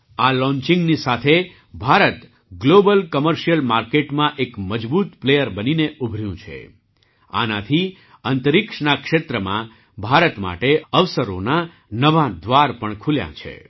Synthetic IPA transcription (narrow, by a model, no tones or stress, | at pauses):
alɔ̃ɲt͡ʃĩŋɡnisat̪ʰe | bʱaɾət̪ | ɡlobəlkəməɾʃijəlmaɾkeʈmãʔekməd͡ʒbut̪plejəɾbənineʔubʱɾjũt͡ʃʰḛ | a̰nat̪ʰi | ənt̪əɾikʂnakʃet̪ɾəmã̰ | bʱaɾət̪ma̰ʈeəʋsəɾo̰na | nəʋãd̪ʋaɾpəɳkʰuljã̰t͡ʃʰḛ